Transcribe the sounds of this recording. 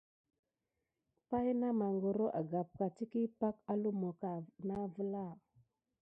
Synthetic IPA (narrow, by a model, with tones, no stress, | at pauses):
pa˦jna˦ma˨ŋɡo˨ɾo˦ʔa˨ɡa˨p̚ka˨ti˦ki˦pa˦ka˦lu˦mo˨ka˨na˦və˦la˦˨